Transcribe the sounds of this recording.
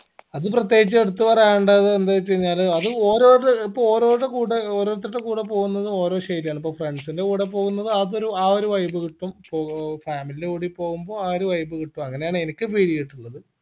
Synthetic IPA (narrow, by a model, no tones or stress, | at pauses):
ɐðɨprɐt̪̬je̞ːɡit͡ɕːɨe̞ɽut̪ːuʋɐrɐjɐɳɖɐɐðɨend̪aːt͡ɕːejiɲːaːlɐðɨo̞ːɾo̞ːʈɨipːooːɾo̞ːɽekuːɽeoːɾo̞ːɾɐt̪ːiʈːekuːɽep̬o̞ːɣunːɐðɨo̞ːɾo̞ːɕɐjɾijaːɳip̬ːoːfre̞ɳɖsinde̞uːɽepːo̞ːɣunːɐðɨɐðo̞ɾuaːoɾuʋɐjbɨkiʈːumpoːfaːmilileuːɽipːo̞ːɣumbo̞ːaːoɾuʋɐjbɨkiʈːumɐŋːɐne̞jaːɳɨenikʲːɨpiːɾijiʈːuɭːɐðɨ